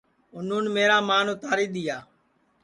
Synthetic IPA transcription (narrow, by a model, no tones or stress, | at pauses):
ʊn̤uːnmeːɾaːmaːnõːt̪aːɾiːɗ̪ɪjaː